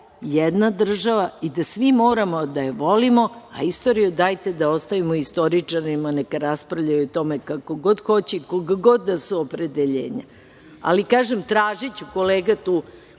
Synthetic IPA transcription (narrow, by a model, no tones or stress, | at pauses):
jed̪nad̪r̩ʒaʋaid̪asʋimo̞ːɾamo̞d̪ajeʋo̞limo̞a̰ist̪oɾijud̪aːjt̪e̞d̪ao̞st̪aʋimoist̪o̞ɾit͡ʂaɾimanekaɾaspɾaʋʎajut̪o̞mekako̞ɡo̞d̪xo̞t͡ɕeikoɡaɡo̞d̪ːasuopɾe̞d̪eʎḛːɲa̰ | a̰likaːʒemt̪ɾaːʒit͡ɕuko̞leːɡat̪uː